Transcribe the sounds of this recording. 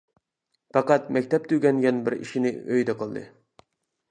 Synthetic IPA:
pɑqɑt̪mɛkʲt̪ʰɛp̚t̪ʰyɡʲɛnɡʲɛnbɪɾḭʃinɪøjd̪ɛqʰəlˠd̪ɨ̰

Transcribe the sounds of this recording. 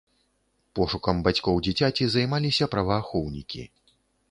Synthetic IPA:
pɔʂukɐmbat͡sʲkɔwd͡zʲit͡sʲat͡sʲizajmalʲisʲɐpɾɐvɐːxɔwnʲḭkʲḭ

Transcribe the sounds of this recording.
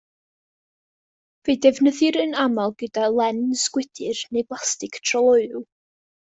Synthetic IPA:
vejdɛvnəðɨɾənamalˠɡədalˠɛnsɡ̥wɪd̥ɨrnejblˠastɪkʰtʰrɔlˠɔɨlˠ

